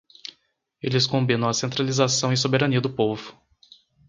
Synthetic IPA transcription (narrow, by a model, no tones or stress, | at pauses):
elɪskõmbĩnɐ̃w̃ɐsẽnt̪ɾalizasɐ̃w̃ɪ̃sobeɾɐniɐd̪ʊpovʊ̥